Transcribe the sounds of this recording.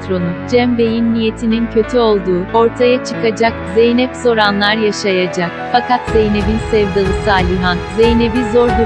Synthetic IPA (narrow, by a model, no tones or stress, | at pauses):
t̪ɾo̞nud͡ʒɛmbe̞jinːije̞t̪ʰinincʰø̞t̪ʰyo̞lˠd̪uːo̞ɾt̪ʰajat͡ʃʰɯkad͡ʒakzejnɛpso̞ɾanlˠaɾjaʃajad͡ʒak̚fakʰat̪z̥ejne̞binsɛvd̪alˠɯsaːlʲiɦanzejnebizo̞ɾd̪u